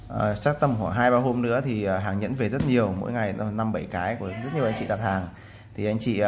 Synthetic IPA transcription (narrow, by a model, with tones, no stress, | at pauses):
ʔəː˨˩t͡ɕaː˦˥k̚t̪ə˧mhaː˧˩ɦaː˧jɓaː˧ɦo˧mnɨ̰˧˥ət̪ʰi˨˩ʔəː˨˩ɦaː˨˩ŋɲə̰˧˥nve˨˩zə˦˥t̚ɲi˨˩əwmo̰˧˥jŋa˨˩jna˧mɓə˧˩jkaː˨˦jku˧˩zə˦˥t̚ɲi˨˩əʔa˧ŋ̟t͡ɕḭ˧˨ɗaː˨˧˩t̪ʰaː˨˩ŋ | t̪ʰi˨˩ʔa˧jŋ̟t͡ɕḭ˧˨